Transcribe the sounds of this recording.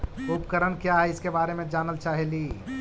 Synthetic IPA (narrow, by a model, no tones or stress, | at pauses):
upkəɾənkjaɦɛɪskebaɾemẽd͡ʒaːnəlt͡ʃaɦɛli